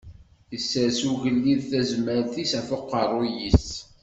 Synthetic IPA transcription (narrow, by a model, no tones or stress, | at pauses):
jəsːəɾsuʝəlːiðθæzməɾθisæfʊqːərˤʊjis